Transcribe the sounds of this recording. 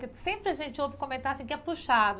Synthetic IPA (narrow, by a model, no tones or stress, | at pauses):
kɪsẽmpɾɪɐʒẽnt͡ʃɪovɪkõmẽnt̪aɾɐsĩkɛpuʃad̪ʊ